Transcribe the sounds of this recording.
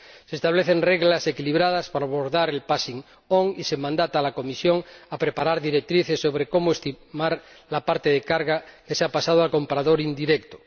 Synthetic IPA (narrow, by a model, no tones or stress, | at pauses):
sest̪aβ̞leθenreɣlase̞kiliβɾað̞aspaɾaβoɾðaɾelpasiŋ | oŋisemãnd̪at̪alakomisjo̞ŋapɾepaɾaɾðiɾek̚t̪ɾiθesːo̞βɾeko̞moest̪imaɾ | lapaɾt̪eðekaɾɣakeseapasað̞oalko̞mpɾaðoɾind̪iɾekt̪o̥